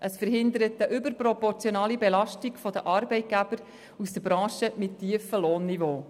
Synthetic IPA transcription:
ʔəsfəɾɦɪnd̪əɾətəʔʏbəɾpɾɔpɔɾt͡sjɔnɑːlibɛlɑʃtiɡ̥fɔd̥̪əʔɑːɾbɛɪt̚ɡ̥æb̥əɾ | usd̥̪əbɾɑ̃ːʃəmɪtʰːiːəfəloːnːivoː

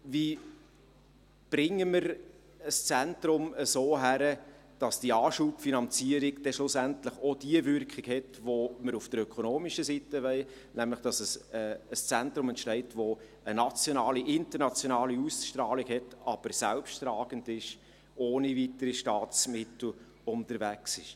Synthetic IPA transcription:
vi | b̥ɾɪŋːəmɪɾ | əst͡sæntɾʊməsoːɦæɾə | d̥ɑsd̥iɑːʃupfinɑnt͡siəɾiɡd̥ɛʃlʊsæntləχod̥iəvʏrkχɪɡhɛtvoməɾufd̥əɾœkʰonoːmiʃəsitəʋɛɪ | næmləχd̥ɑsəsɛəst͡sæntɾʊmɛntʃtɛɪtʋo | ənɑt͡sjonɑːliʔɪntəɾnɑt͡sjonɑːliusʃtrɑːliɡhɛtɑb̥əɾsælpʃtrɑːɡ̥əndɪʃ | oːnivitəɾiʃtɑːt͡smɪtl̩ | ʊntəɾvæksɪ̰ʃ

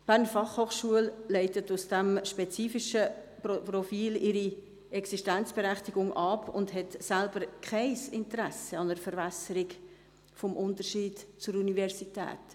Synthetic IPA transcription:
b̥æːʁnəfɑχhoːχʃuəllɛɪtətusd̥æmʃpet͡siːfiʃə | pɾɔfiːlɪɾi | ɛksiʃtænt͡sb̥eɾæχtiɡ̥ʊŋʔɑpʰʊ̰ndɦɛtsælb̥əɾkχɛɪsɪntəɾæsəɑnəɾfəɾvɛsəɾiɡ | fɔmʔʊntəɾʃiːdt͡sʊɾunivɛɾsitɛ̰ːt

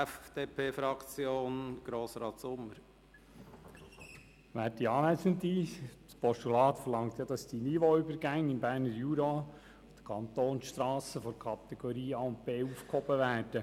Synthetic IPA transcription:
ɛfd̥eːpʰeːfɾɑkt͡sjoːnɡ̥ɾoːsɾɑːtsʊmːəɾ | ʋæːɾtiɑːnæsənt̪ispʰɔstulɑːt̪fəlɑŋt̪jɑd̥ɑsd̥iniʋoybəɾɡæŋɪmbæːɾnəɾjuːɾo | d̥ə̥kʰɑnt̪oːnsʃtɾɑːsəfɔɾkʰɑt̪ɛɡ̥ɔɾiːɑːʊmpeːuːfkhɔbəʋæːɾd̥ə

